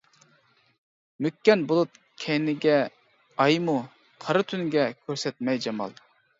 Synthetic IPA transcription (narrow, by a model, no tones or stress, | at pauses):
mykʲːɛnbolˠut̪̚ | kʲʰɛjnɪɡʲɛ | ɑjmu | qʰɑɾɨt̪ʰynɡʲɛkʲʰøɾsɛt̪̚mɛjd͡ʒɑmɑ̰lˠ